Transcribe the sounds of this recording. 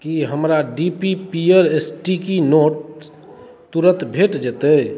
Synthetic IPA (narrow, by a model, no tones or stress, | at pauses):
kiɦəmɾaɖipipiəɾesʈikinoʈ̚ | t̪uɾə̃nt̪bʱeʈd͡ʒet̪ə